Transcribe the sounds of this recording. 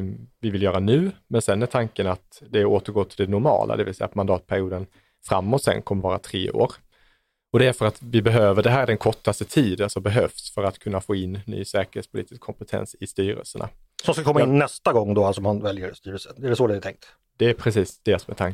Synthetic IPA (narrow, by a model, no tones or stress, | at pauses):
vɪvɪljœːɾanʉ̟ːmɛnsɛnːæʈ̪ʰaŋkənat̪d̪ɛoːt̪əɾɡoːt̪ʰɪld̪ɛnʊɾmɑ̰ːlʔa̰d̪ɛvɪlsɛjːa̰t̪mand̪ɑːt̪̚pʰæɾɪuːd̪ən | fɾa̰mːɔt̪sɛ̰nːkʰɔmːəɾvɑːɾa̰t̪ʰɾḛːo̰ːɾ | ɔd̪ɛæɾfœɾat̪vɪbɛɦøːvəɖɛɦæːɾæɖɛnkʰɔʈːast̪ət̪ʰiːd̪alsɔbɛɦœfsfœɾat̪kʰɵnːafoːɪnːy̰ːsɛːkəɾheːtspʰʊliːt̪ɪ̥skʰːɔmpɛt̪ʰɛ̰nsɪst̪yːɾə̰lsəɳʔa̰ | sɔmskakɔmanːɛst̪aɡɔŋːd̪oːalsɔmhanvɛljəɾst̪yːɾəlsənɛɖɛsod̪ɛat̪ʰɛŋk̚t̪ | d̪̥ɛːɾpʰɾɛsiːsd̪̥ɛsɔmɛt̪ʰaŋ